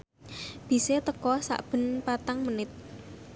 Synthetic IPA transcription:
b̥i̤set̪əkɔsa̰ʔb̥ə̤npat̪aŋmənɪt̪̚

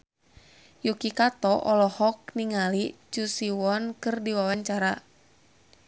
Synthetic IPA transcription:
jukikat̪ɔʔɔlɔhɔk̚niŋalit͡ʃusiwɔnkɨrdiwawaɲt͡ʃaɾa

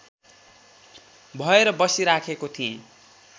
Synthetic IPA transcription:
bʱʌeɾʌbʌsiɾakʰekot̪ʰijẽ

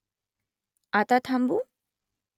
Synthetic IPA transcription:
at̪at̪ʰɐmbu

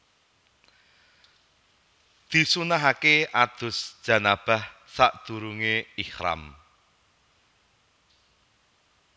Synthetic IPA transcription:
d̪̥i̤sunaɦakeʔad̪̥ʊ̤sd̥ʒ̥ä̤nab̥a̤hsaʔd̪̥ṳɾuŋeihɾa̰m

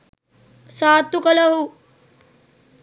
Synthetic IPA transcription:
saːt̪ːukɐlɐɦu

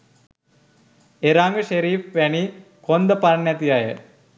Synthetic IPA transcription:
eɾaŋɡəʃeɾiːfʋæni | kond̪əpanːɛt̪ijajə̰

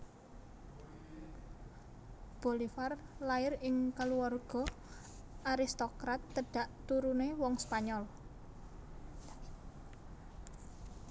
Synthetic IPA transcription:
b̥o̤lifarlaɪrɪŋkaluwarɡ̥ɔ̤ | ʔaɾist̪okɾat̪ːəɖ̥a̤ʔt̪uɾunewɔŋspaɲɔl

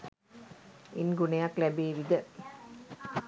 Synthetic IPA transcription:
inɡunejaklæbeːʋid̪ə

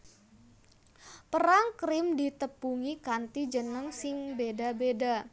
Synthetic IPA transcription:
pəɾaŋkɾɪmdit̪əpuŋikant̪id͡ʒənəŋsɪŋbedabeda

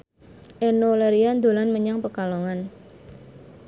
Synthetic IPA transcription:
ʔenoleɾiand̪o̤lanməɲaŋpəkaloŋan

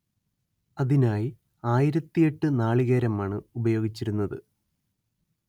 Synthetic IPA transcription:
ɐðinaːji | aːjiɾɐt̪ːije̞ʈːɨnaːɭiɣeːɾɐmaːɳɨubɐjo̞ːɡit͡ɕːiɾunːɐðɨ

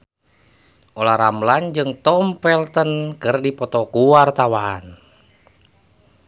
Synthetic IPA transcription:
ʔɔlahɾamland͡ʒɨŋt̪ɔmpɛlt̪ənkɨrdipɔt̪ɔkuwart̪awaan

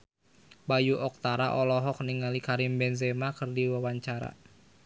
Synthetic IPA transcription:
bajuʔɔk̚t̪aɾaʔɔlɔɦɔk̚niŋalikaɾimbɛnzemakɨrdiwawaɲt͡ʃaɾa̰

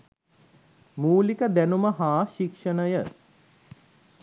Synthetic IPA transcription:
muːlikəd̪ænuməɦaːʃikʂənəjə

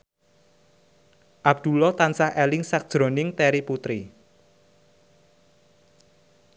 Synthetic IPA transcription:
ʔab̚d̪̥ṳlɔt̪ansahɛlɪŋsak̚d̥ʒ̥ɾo̤nɪŋt̪ɛɾiput̪ɾi

